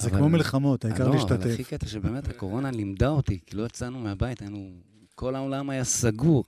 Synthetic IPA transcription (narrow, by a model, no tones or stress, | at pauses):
zevkmomilχamo̞t̪aikaʁoliʃvt̪at̪eχifket̪aʃebeːme̞t̪hako̞ʁonalimd̪ao̞t̪ikilo̞et͡sanumeabait̪ainu | ko̞lao̞lamajasaɡuʁ